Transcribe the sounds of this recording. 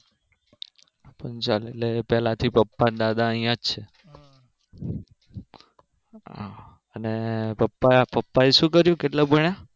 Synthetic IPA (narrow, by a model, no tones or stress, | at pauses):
pənt͡ʃalelepɛlãt̪ʰipəpːand̪ad̪aəɦĩjãd͡ʒt͡ʃʰe | ɦa̰ | ənepəpːapəpːaeʃũkəɾjũkeʈlabʱəɳja